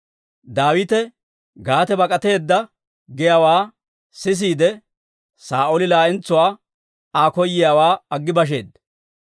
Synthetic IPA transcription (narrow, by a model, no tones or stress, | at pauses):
d̪aːwɪt̪ɛ | ɡaːt̪ɛbɐkʼɐt̪e̞ːd̪ːɐ | ɡɪjaːwaː | sɪs̬iːd̪ɛ | saːʔolɪlaːʔɪnt͡sːʊwaː | aːkɔjːɪjaːwaːɐɡːɪbɐʃ̬e̞̰ːd̪